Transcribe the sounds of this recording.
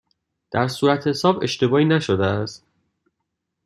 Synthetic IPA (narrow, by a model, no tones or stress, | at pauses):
d̪̥æɾsuːɾæt̪ʰhesɒːbe̞ʃt̪e̞bɒːiːnæʃod̪eæst̪